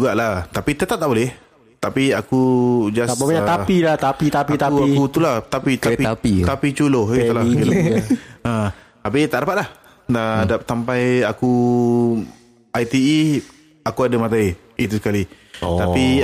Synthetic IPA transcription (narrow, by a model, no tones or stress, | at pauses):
uɡaʔlaht̪apit̪ət̪ap̚t̪aʔbolɛh | t̪apiakud͡ʒasaɲaailaht̪apit̪apit̪auaikut̪ulaht̪apit̪apiait̪apit͡ʃuloht̪əlakil | ə | apit̪aʔɾapat̪̚lah | ədap̚sampajaku | ajt̪ii | akuadəmat̪̬ai | it̪usə̥kali | t̪api